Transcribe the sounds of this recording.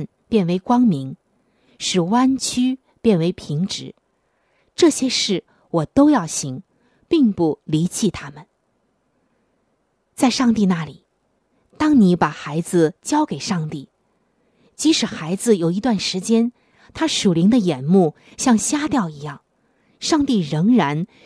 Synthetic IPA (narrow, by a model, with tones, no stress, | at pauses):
n | pjɛ˥˩nwe˧˥ɪkwɑ˥ŋmi˧˥ŋ | ʂɻ̩˨˩wa˥nt͡ɕʰy˥ | pjɛ˥˩nwe˧˥ɪpʰi˧˥ŋʈ͡ʂɻ̩˧˩˦ | ʈ͡ʂɤ˥˩ɕjɛ˥ʂɻ̩˥˩ | wɔ˨˩t̪o˥ʊjɑ˥˩ʊɕi˧˥ŋ | pi˥˧ŋpu˥˩li˧˥t͡ɕʰi˥˩t̪ʰa˥mə˨n | t͡sa˥˧ɪʂɑ˥˧ŋt̪i˥˧na˥˩li˨˩˦ | t̪ɑ˥ŋni˧˥pa˨˩xa˧˥ɪd͡zɹ̩˧t͡ɕjɑ˥ʊke˨˩ɪʂɑ˥˧ŋt̪i˥˩ | t͡ɕi˧˥ʂɻ̩˨˩xa˧˥ɪd͡zɹ̩˧jo˨˩ʊi˧˥t̪wa˥˩nʂɻ̩˧˥t͡ɕjɛ˥n | t̪ʰa˥ʂu˨˩li˧˥ŋd̪ə˧jɛ˨˩nmu˥˩ | ɕjɑ˥˩ŋɕja˥t̪jɑ˥˩ʊi˧˥jɑ˥˩ŋ | ʂɑ˥˧ŋt̪i˥˩ɻɤ˧˥ŋɻa˧˥n